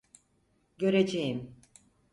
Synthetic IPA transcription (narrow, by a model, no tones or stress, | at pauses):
ɟø̞ɾed͡ʒejim